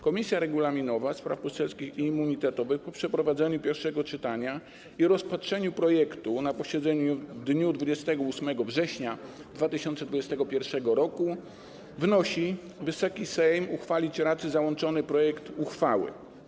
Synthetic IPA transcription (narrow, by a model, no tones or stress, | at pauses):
kɔmʲisʲjaɾɛɡulamʲinɔvaspɾafpɔst̪ɛlskʲixiːmːuɲit̪ɛt̪ɔvɘxpɔpʂɛpɾɔvad̪zɛɲupʲjɛɾfʂɛɡɔt͡ʂɘt̪aɲa | iɾɔspatʂɛɲupɾɔjɛkt̪unapɔɕɛd̪zɛɲuvd̪ɲud̪vud͡ʑɛst̪ɛɡɔusmɛɡɔvʐɛɕɲa | d̪vat̪ɘɕɔnt̪sɛd̪vud͡ʑɛst̪ɛɡɔpʲjɛɾfʂɛɡɔɾɔku | vnɔɕi | vɘsɔkʲisɛjmuxfalʲit͡ɕɾat̪sɘzawɔnt͡ʂɔnɘpɾɔjɛkt̪uxfawɘ̰